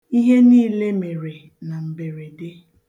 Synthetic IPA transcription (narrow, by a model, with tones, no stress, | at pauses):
i˦ɦe˦niː˦le˦me˨ɾe˨ | na˨m̩˨be˨ɾe˨de˦